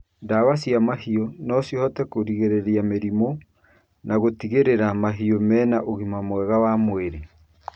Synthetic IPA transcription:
ndaβasiamahiɔnɔsjohɔtɛkoɾiɣeɾeɾiameɾimo | naɣotiɣeɾeɾamaɦiomɛːnaʔoɣimamwɛɣawamoeɾe

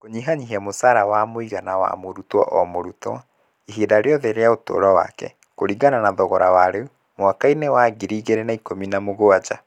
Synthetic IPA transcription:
koɲiɦaɲiɦiɛmosaɾawamoiɣanawa̰moɾutwɔ̰ʔɔmoɾutwa | iɦedaɾeɔðeɾeaoto̰ːɾɔwa̰kɛ̰ | koɾiɡananaðɔɣɔɾawaɾeu | mwakainewaɡiɾiːɣeɾenaikominamoɣoad͡ʒa

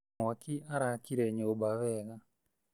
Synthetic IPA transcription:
akiʔaɾakiɾɛɲobaβɛɣa

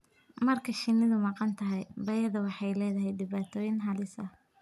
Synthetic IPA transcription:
mɐrkʰɐʃɪnːɪðʊmɑqɑnt̪ʰɐɦɛjbɐjɐðɐwɑħɑjlɛːðɐɦɛjɖɪβaːt̪ʰɔːjɪnɦɐlɪsɐh

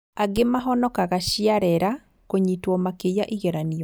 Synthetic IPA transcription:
aɡemaɦɔnɔkaɣaʃiaɾɛɾa | koɲitwɔmakejaʔiɣɛɾaniɔ

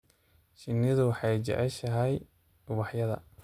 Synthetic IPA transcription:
ʃɪnːɪðʊwɑħɑjt͡ʃɛ̰ʕɛʃɐɦɛj | ʊwɑħjɐðɐ̰

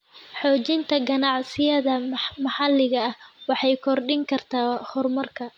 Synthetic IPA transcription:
ħɔːt͡ʃɪnt̪ʰɐɡɐnɑʕsɪjɐðɐmɐħɑlːɪɣɐːhwɑħɑjkʰɔrɖɪŋkʰɐrt̪ʰaːhʊrmɐrkʰɐ

